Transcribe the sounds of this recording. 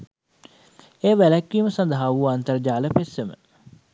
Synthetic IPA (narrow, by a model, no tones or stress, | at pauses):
eːʋælækːiːməsɐnd̪əɦaʋuant̪əɾd͡ʒaːləpesʋemə̰